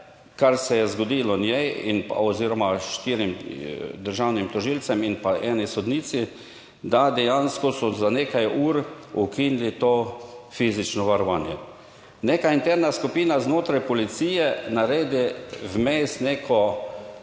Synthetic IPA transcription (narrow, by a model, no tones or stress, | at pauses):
kaɾsɛjɛzɡɔd̪iːlɔnjɛjḭnpa̰ɔziːɾɔmaʃt̪iːɾimd̪əɾʒawnimt̪ɔʒiːlsɛminpaʔɛːnisɔd̪niːt̪si | d̪ad̪ɛjanskɔsɔzaneːkajuːɾ | ukinlit̪oːfiːzit͡ʃnɔʋaɾɔʋaːnjɛ | neːkaint̪ɛɾnaskupiːnaznoːt̪ɾajpɔlit̪siːjɛnaɾeːd̪iwmest̪neːkʰɔ